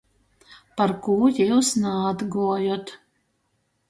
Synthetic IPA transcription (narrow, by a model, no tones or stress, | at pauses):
paɾkuːjiwsnaːd̪ɡuɔjɔt̪